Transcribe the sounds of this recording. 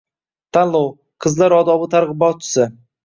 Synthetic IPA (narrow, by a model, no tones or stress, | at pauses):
t̪ʰanlˠow | qʰəzlˠaɾɒd̪ɒbət̪ʰaɾʁɨbɒt͡ʃʰɪ̥sɪ